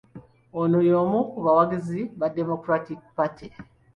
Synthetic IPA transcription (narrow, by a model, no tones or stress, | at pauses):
onojoːmukuβawaɡiziβademokɾatik̚pati